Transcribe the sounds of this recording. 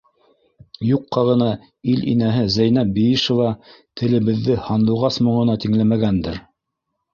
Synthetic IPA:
juqːɑʁɤ̆nɑ | ilʔḭnæɦɘzæjnæbijiʃŏvɑt̪ʰɘ̆lɘ̆βɘ̆ðːɘhɑnlˠɤ̆wʁɑsmŏɴɤ̆nɑt̪iŋlæmæɡænd̪ɘɾ

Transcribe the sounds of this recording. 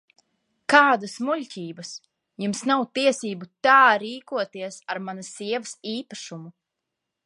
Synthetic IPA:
kaːd̪asmulʲcʲiːbɐs | jumsnawt̪iɛsiːbut̪aːɾiːkuɔt̪iɛsaɾmanɐsiɛvɐsiːpaʃumu

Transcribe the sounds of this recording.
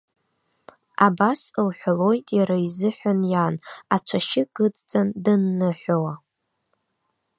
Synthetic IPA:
abasɨlħʷalo̞jtʼjaɾaizɨħʷᶣanjanat͡ʃʷʰaʃɪɡ̥ɨd͡zt͡sʼandɨnːɨħʷawa

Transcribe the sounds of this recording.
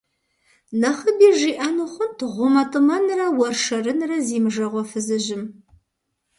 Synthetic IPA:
nɐχəbiːʒiːʔɐnɨχʷʊntʰʁʷʊmɐtʰʼɨmɐnrɐwɔrʂɐrɨnrɐziːmʐɐʁʷɔfɨzɨʑɪm

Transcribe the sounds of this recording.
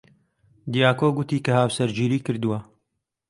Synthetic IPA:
d̪ijaːkoːɡʊt̪iːkɐhaːwsɐɾd͡ʒiːɾiːkɨɾd̪uwɐ

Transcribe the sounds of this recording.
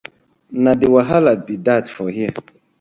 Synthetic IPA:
nadiwaɦalabidatfɔhiə

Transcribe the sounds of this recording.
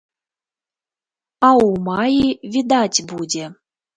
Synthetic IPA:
ɑumɑjivʲid̪atʲbudʲe

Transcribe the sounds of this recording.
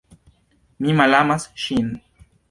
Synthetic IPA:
mimalamasʃin

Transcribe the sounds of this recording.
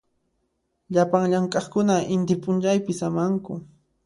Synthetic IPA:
ʎapaŋʎaŋkʼɑχkʊnaʔɪnt̪ɪpʼʊnt͡ʃajpɪsamaŋkʊ

